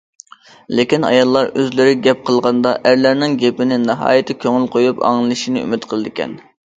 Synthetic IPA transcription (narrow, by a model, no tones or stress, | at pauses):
lekʲinɑ̰jɑlˠːɑɾøzlɪɾɪɡʲɛp̚qʰəlˠʁɑnd̪ɑʔæɾlæɾnɪŋɡʲepɪnɪnɨɦɑ̰ːjɪt̪ʰɪkʲʰøŋylqʰojupɑ̰ŋɨlˠɨʃinɨy̰mɪt̪qʰəlˠɨd̪ɪkʲʰɛ̰n